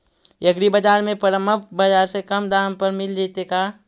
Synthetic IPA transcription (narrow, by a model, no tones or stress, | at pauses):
jəɡɽibəd͡ʒaːɾmẽpəɾəməpbɐd͡ʒaːɾsekɐmd̪aːmpəɾmɪld͡ʒet̪ekaː